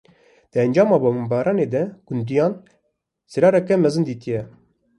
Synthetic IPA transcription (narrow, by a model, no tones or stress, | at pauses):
d̪̥əɛnd͡ʒɑːmɑːbommbɑːɾɑːneːd̪ɛɡ̥ʊnd̪ijɑːn | sɨɾɑːɾɛkɛmɛzɨnd̪iːt̪ijɛ